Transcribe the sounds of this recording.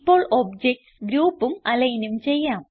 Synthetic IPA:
pːo̞ːɭʔobd͡ʑek̚ʈsɡɾuːpːumɐlɐjnumt͡ɕe̞jːaːm

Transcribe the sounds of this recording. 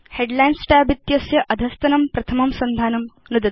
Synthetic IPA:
heɖlaːjnsʈaːbit̪jɐsjɐʔɐd̪ʱɐst̪ɐnɐmpɾɐt̪ʰɐmɐmsɐnd̪ʱaːnɐm | nud̪ɐt̪

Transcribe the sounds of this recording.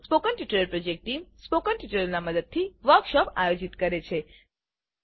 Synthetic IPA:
spokənʈiʈələlpɾod͡ʒek̚ʈʈimspokənʈiʈələlnaməd̪əd̪̚t̪ʰiʋəɾkʃɔpajod͡ʒit̪kəɾet͡ʃʰe

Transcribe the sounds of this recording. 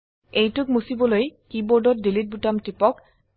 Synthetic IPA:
ejtʊk̚musibɔlojkibɔɹdɔt̚dilit̚butamtipɔk

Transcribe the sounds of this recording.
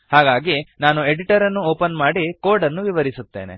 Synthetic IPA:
haːɡaːɡinaːnue̞ɽiʈɐɾɐnːuoːpɐnmaːɽikoːɾɖɐnːuʋiʋɐɾisut̪ːeːnḛ

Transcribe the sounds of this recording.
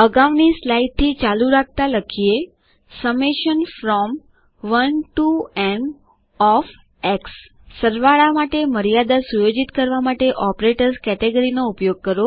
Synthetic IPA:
əɡaʋnislajt̪ʰːit͡ʃaluɾak̚ʰt̪aləkʰie | səmeʃənfɾɔm | ʋənʈuɛn | ɔf | eksː | əɾʋaɭamaʈeməɾijad̪asujod͡ʒit̪kəɾʋamaʈeʔɔpɾeʈəɾskɛʈeɡəɾinoupjoɡ̚kəɾo

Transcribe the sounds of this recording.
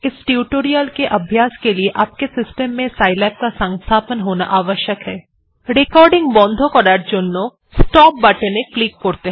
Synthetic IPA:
ɪsʈjuːʈoːɾijəlkeʔɐbʱjaːskelieʔaːp̚kesɪsʈəmːẽsaːɪlɛːp̚kasɐ̃ŋst̪ʰaːpənɦoːna̰ʔaːʋəʃjəkɦɛː | ɾeːkɔːɾɖɪ̃ŋɡbɔ̃ːnd̪ʱõkɔɖaːʈd͡ʒonːõ | sʈɔːp̚bɐʈənẽklik̚koːɾt̪eɦ

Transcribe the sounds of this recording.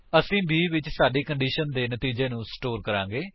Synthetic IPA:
əsĩːbiːʋɪt͡ʃsaːɖeːkəɳɖiːʃənd̪eːnət̪iːd͡ʒeːnũːsʈoːɾkəɾãːŋɡeː

